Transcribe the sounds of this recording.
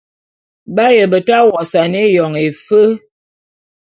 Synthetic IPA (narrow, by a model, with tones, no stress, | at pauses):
ba˦jə˨bə˨ta˦wɔ˨sa˨ne˦jɔ˨ŋe˨fə˦